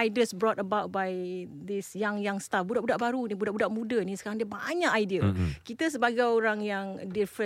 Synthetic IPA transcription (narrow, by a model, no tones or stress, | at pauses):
ajdəsbɾɔtəbawt̚bajd̪ɪsjaŋjaŋst̪afbudaʔbudaʔbaɾunĩbudaʔbudaʔmũdənĩsəkaɾaŋdiəba̰ɲãkajdiəkit̪əs̬əbaɡajoɾaŋjaŋdifɾə